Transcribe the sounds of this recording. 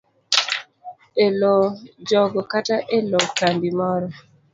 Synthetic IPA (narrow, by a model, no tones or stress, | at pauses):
elɔd͡ʒɔɡɔkataʔelɔkanbimɔɾɔ